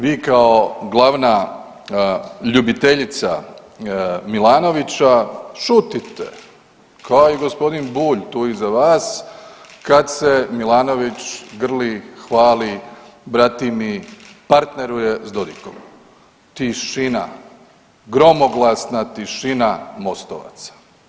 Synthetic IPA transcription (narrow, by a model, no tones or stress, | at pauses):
ʋiːkao̞ɡlˠaʋna | ʎubit̪e̞ʎit̪sa | milaːno̞ʋit͡ʃaʃut̪it̪ḛ | kʰaoiɡospo̞d̪inbuːʎt̪uːizaʋaːs | kad̪se̞milaːno̞ʋit͡ʃɡr̩lixʋaːlibɾat̪imi | paɾt̪ne̞ɾuje̞zd̪o̞d̪iko̰m | t̪iʃina̰ | ɡɾo̞moɡlˠasnat̪iʃinamo̞st̪o̰ʋa̰t̪sḁ